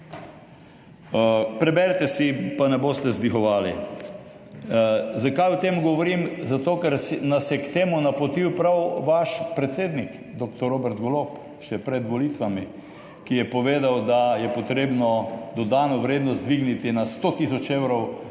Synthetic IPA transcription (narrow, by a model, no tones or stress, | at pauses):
pɾɛbɛɾt̪ɛsipanɛboːst̪ɛzd̪ixɔʋaːlḭ | zakajʊt̪emɡɔʋɔɾimzat̪oːkɛɾsnasjɛkt̪eːmunapot̪iwpɾawʋaʃpɾɛt̪seːd̪nik | d̪ok̚t̪ɔɾoːbɛɾt̪ɡolop | ʃɛpɾɛd̪ʋɔlit̪ʋami | kijɛpɔʋeːd̪awd̪ajɛpɔt̪ɾeːbnɔd̪ɔd̪anɔʋɾeːd̪nɔst̪̚d̪ʋiɡnit̪inast̪ot̪isɔt͡ʃewɾɔw